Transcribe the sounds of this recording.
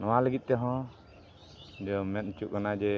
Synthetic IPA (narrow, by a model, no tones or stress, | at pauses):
nɔwaləɡit̪̚ˀt̪ɛɦɔ̃ | d͡ʒɔmɛt̪̚t͡ʃuʔkanad͡ʒɛ